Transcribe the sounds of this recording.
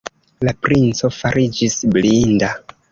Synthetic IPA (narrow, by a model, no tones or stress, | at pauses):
lapɾint͡so̞faɾʔid͡ʒisblinda